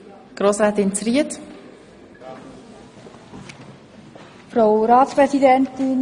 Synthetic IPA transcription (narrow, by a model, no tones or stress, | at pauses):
ɡ̥ɾoːsɾɛːt̪ɪnt͡sriət | fɾawɾaːtspɾɛsidɛnt̪ɪn